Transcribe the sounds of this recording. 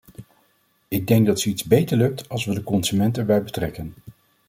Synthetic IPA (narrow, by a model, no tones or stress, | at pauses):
ɪɡ̚dɛŋɡ̚dɑtsəitzbejtəɹlɵk̚tɑlˠsʋədəkɔnzymɛntɛɹbɛjbətrɛkən